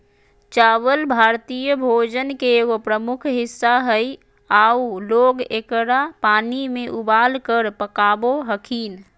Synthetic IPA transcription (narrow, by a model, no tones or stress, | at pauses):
t͡ʃaβəlbʱaɾt̪ijəbʱod͡ʒənkeːɡopɾəmukʰɦisːaɦəj | auloɡekəɾapanimeʔubalkəɾpəkaboɦəkʰin